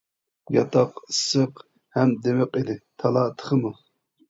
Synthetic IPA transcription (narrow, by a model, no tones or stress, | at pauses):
jɑ̰t̪ʰɑqsɨq | hɛmd̪emɪqid̪ɪt̪ʰɑlˠɑt̪ʰə̥χəmɨ